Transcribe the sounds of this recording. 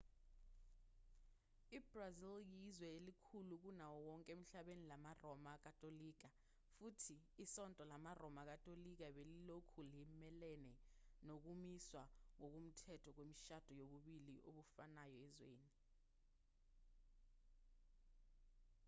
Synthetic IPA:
ib̥raziljizwɛelikʰuluk̬unawɔwɔŋkʼem̩ɬaɓenilamarɔmak̬ʼatʼoliːk̬a | futʰiːsɔntʼɔlamarɔmak̬atʼolik̬aɓelilokʰulimɛlɛnɛnok̬umiswaŋok̬um̩tʰɛtʰɔk̬wemiʃad̥ʱɔjoɓuɓiliʔoɓufanajɔɛzwḛːni

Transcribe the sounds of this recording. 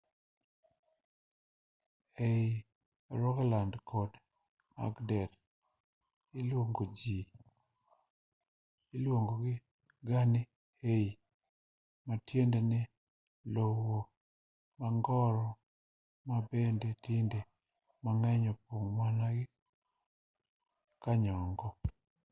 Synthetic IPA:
ej | ɾɔɡlandkʰɔd | ma̰ɡdɛɾ | ilwoŋɡod͡ʒi | ilwoŋɡoɡɪ | ɡanɪ | hej | matjendenɪ | lowo | maŋɡɔɾɔ | mabendetɪnde | maŋɛɲɔpoŋmanaɡɪ | kaɲɔŋɡɔ

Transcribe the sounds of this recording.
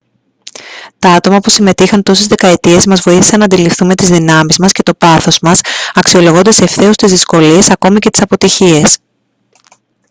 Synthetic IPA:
t̪ɐɐt̪o̞mɐpusime̞t̪ixɐnt̪o̞sezðe̞kɐe̞t̪ie̞zmɐzvo̞iθi̥sɐnɐnd̪ilifθume̞t̪izðinɐmizmɐsce̞t̪o̞pɐθo̞zmɐsɐksio̞lo̞ɣond̪ɐsefθe̞o̞st̪izðisko̞lie̞sɐko̞micet̪i̥sɐpo̞t̪içie̞s

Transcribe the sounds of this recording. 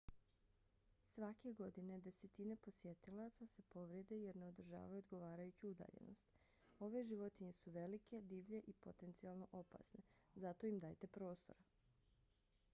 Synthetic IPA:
sʋake̞ɡo̞d̪ine̞d̪e̞se̞t̪ine̞po̞sjet̪ilat̪sase̞po̞ʋɾe̞d̪e̞je̞ɾne̞o̞d̪r̩ʒa̰ːʋajuod̪ɡo̞ʋaːɾajut͡ɕuud̪a̰ːʎḛno̰st̪ | o̞ʋe̞ʒiʋo̞t̪iɲe̞suʋe̞like̞d̪iːʋʎe̞ʔipot̪e̞nt̪sialˠno̞ʔo̞pa̰sne̞zat̪o̞imd̪aːjt̪e̞pɾo̞ːst̪o̞̰ɾa

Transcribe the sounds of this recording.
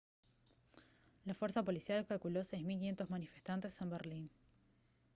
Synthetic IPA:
lafwe̞ɾsapo̞lisjalekalkulo̞sejsmilk̬inʲje̞nt̪ozmanifest̪ant̪e̞se̞mbeɾlin

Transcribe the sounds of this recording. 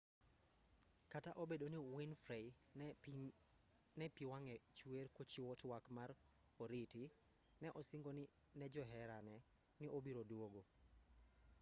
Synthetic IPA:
kataʔobedoniwinfɾɛ | nɛpiwaŋɛt͡ʃwerkot͡ʃiwɔtwakmaɾ | oɾitɪ | nɛʔɔsiŋɡonɪ | nɛd͡ʒɔɦɛɾanɛ | nɪʔobiɾodwoɡo

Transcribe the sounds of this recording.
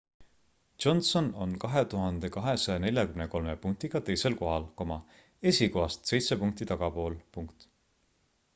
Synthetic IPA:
o̞nso̞no̞nkɑɦe̞t̪uɦɑnd̪̥e̞kɑɦe̞sɑjɑne̞lʲjɑkymneko̞lme̞puŋk̚t̪iɡ̥ɑt̪e̞jse̞lko̞ɦɑlko̞mɑ | e̞sʲikoɦɑst̪se̞jt̪se̞puŋk̚t̪it̪ɑɡ̥ɑpo̞ːlpuŋkt̪

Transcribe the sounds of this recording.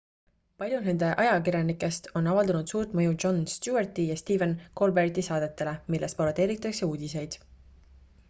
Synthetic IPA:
pɑlʲjune̞nd̪̥e̞ʔɑjɑkirjɑnikːˑe̞st̪o̞nɑvɑld̪ɑnud̪̥suːrt̪mɤ̞juʒo̞nst̪juert̪ijɑst̪iːvenko̞lbert̪isɑːd̪̥e̞t̪ːˑe̞le̞milːʔest̪poɾt̪ːe̞ːɾit̪ˑːɑkse̞uːd̪̥ʲise̞jd̪̥

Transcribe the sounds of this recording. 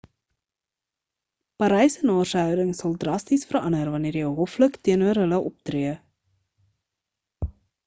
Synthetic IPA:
pɐɾɛjsənɑːrsəɦœwdəŋsɐlˠdrɐstisfərɐ̰nərvɐniəɾɛɦɔfləktiənuəɾɦələʔɔp̚triə

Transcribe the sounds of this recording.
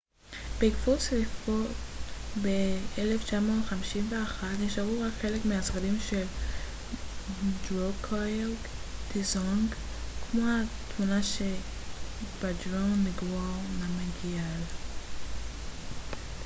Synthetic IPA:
b̥eikfuslifotbeeleft͡ʃamotχamiʃinveaχatniʃavuʁakχelekmeasʁadimʃel | dʁokʰoɡd̪̥izoŋɡ | kmohat̪munaʃe | b̥adʁonːiɡvonameɡial

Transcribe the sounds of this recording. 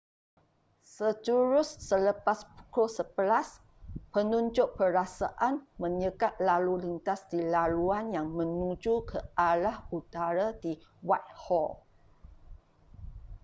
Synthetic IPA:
sət̪uɾʊsːələpaspu̥kolsəbəlas | pənũɲd͡ʒʊʔ̚pəɾasaʔanmə̃ɲəkat̪̚lalulint̪asdilaluanjaŋmə̃nud͡ʒukʰəalahut̪aɾadiwat̪̚hɔl

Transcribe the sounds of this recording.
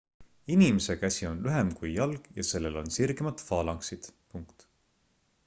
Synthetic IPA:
inimese̞kæsʲio̞nlyɦe̞mkujjɑlɡ̥jɑse̞lːe̞lo̞̰nsirɡemɑt̪fɑːlɑŋksid̪̥puŋkt̪

